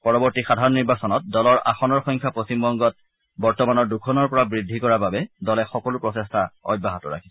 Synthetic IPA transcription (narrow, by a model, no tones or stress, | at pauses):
pɔɹɔbɔɹtixadʱaɹɔnːiɹbasɔnɔt̚dɔlɔɹa̰xɔnɔɹxɔŋkʰjapɹostimbɔŋɡɔt̚ | bɔɹtɔmanɔɹdukʰɔnɔɹpɔɹabɹidʱːikɔɹababɛdɔlɛxɔkɔlʊpɹɔtestʰaɔ̰j̚baɦatɔɹa̰kʰi̥s